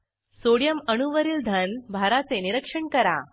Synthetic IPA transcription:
soɽjəməñuʋəɾiːld̪ʱənbʱaɾat͡seniɾəkʂəɳkəɾa̰

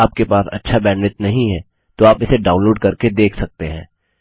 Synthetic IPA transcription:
aːp̚kepaːsɐ̰tːʃʰabɛ̃ːnʋɪt̪nɐɦĩɦɛ̃ː | t̪oaːpɪseɖãːʊ̃nloːɖ̚kɐɾked̪eːkʰsɐk̚t̪eɦɛ̃ː

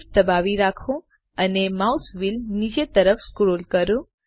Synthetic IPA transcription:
d̪əbaʋiɾakʰũ | ənemausʋilnid͡ʒet̪əɾəfskɾolkəɾũ

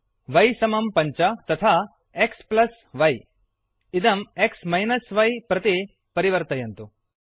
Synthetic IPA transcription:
ʋɐjsɐmɐmpɐɲt͡ʃɐt̪ɐt̪ʰaː | eksplɐs | ʋɐj | id̪ɐmeksmɐjnɐsʋɐjpɾɐt̪i | pɐɾiʋɐɾt̪ɐjɐnt̪u

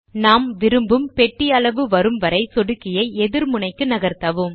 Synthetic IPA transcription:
naːmʋɪɾɯmbɯmpɛʈːɪɐɭɐʋɯʋɐɾɯmʋɐɾɐɪsɔɽɯkːɪjɐɪɛðɪɾmʊɳɐɪkːɯnɐɣɐɾt̪ɐʋɯm

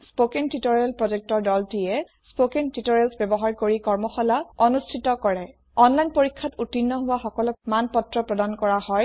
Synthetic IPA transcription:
spokentitɔɹalpɹɔd͡ʒɛk̚tɔɹdɔltiɛ | spokentitɔɹɛlsbjɔbɔɦaɹkoɹikɔɹmɔxɔlaɔnustʰitɔkɔɹɛ | ɔnlajnpoɹikʰːatutinːɔɦʊwaxɔkɔlɔkmanpɔtɹɔpɹɔdankɔɹahɔj

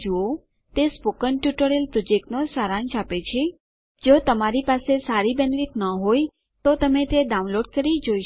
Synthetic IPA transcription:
d͡ʒuo | t̪espokənʈjuʈəɾelpɾɔd͡ʒek̚ʈnosaɾãnt͡ʃapet͡ʃʰe | d͡ʒot̪əmaɾipasesaɾibɛnʋit̪nəɦoj | t̪ot̪əmet̪eɖaũnloɖ̚kəɾid͡ʒoiʃ

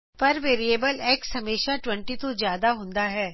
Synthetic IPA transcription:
pɐɾʋeːɾieːbəlɛːksɦɐmeːʃaʈwɛ̃ɳʈit̪ozjaːd̪aɦõnd̪aɦɛː

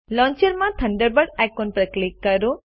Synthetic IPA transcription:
lɔ̃ːɲt͡ʃəɾmãt̪ʰɐɳɖəɾbəɖajkonpɾəklikːɐɾu

